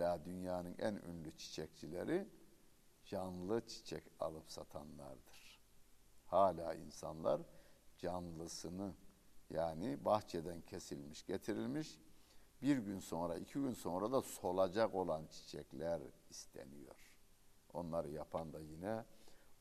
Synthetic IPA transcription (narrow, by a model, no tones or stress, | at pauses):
laːd̪ynjaːnɯnʔæ̰nø̰nlʲyt͡ʃʰi̥t͡ʃʰɛc̚t͡ʃʰilʲḛɾi | d͡ʒanlˠɯt͡ʃʰi̥t͡ʃʰɛ̰ca̰lˠɯpsat̪ʰanlˠa̰ɾd̪ɯɾ̥ | haːlʲaːḭnsa̰nlˠa̰ɾd͡ʒanlˠɯsɯnɯjaːnibaxt͡ʃʰed̪æncʰe̞silʲmiʃɟet̪ʰiɾilʲmiʃbiɾɟynso̞nɾaicʰiɟynso̞nɾad̪aso̞lˠad͡ʒako̞lˠant͡ʃʰi̥t͡ʃʰɛ̰clʲæɾist̪ʰḛnijo̞̰ɾ̥ | o̞̰nlˠaɾɯjapʰand̪ajinɛ